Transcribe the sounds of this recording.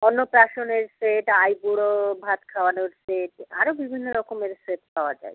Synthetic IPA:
ɔnːopɾaʃoneɾseʈajbuɽobʱat̪kʰawanoɾseʈa̰ɾobibʱinːoɾɔkomeɾseʈpawad͡ʒa̰j

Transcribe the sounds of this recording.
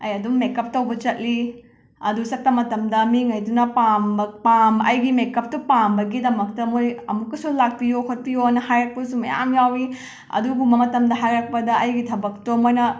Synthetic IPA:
ɐjɐdumːekːɐp̚tɐwbɐt͡ʃɐt̚li | ɐdusɐk̚tɐmɐtɐmdɐmiŋɐjdunɐpamɐpamɐjɡimekɐp̚tupambɐɡidɐmɐk̚tɐmojɐmukːɐsulak̚pijokʰɐt̚pijonɐhajɾɐk̚pɐs̬umɐ̰ja̰mjawi | ɐ̰duɡumɐmɐtɐmdɐɦajɾɐk̚pɐdɐʔɐjɡitʰɐbɐk̚tomojnɐ

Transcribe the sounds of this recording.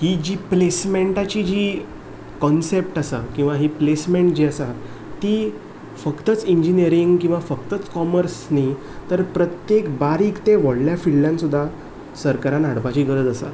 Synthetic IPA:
hid͡ʑiːplesmeɳʈat͡ɕiːd͡ʑiː | kɔnsep̚ʈəsakĩw̃ʋaɦiplesmẽɳʈd͡ʑiːəsat̪ː | iː | fəkt̪ət͡siɲd͡ʑiniəɾiŋɡkĩw̃ʋafəkt̪ət͡skɔməɾsni | t̪əɾpɾət̪jekbaɾiːkt̪ẽʋəɽljafilljãnsud̪ʱːa | səɾkaɾanaɽpat͡ɕiːɡəɾəd͡z̪əsa̰

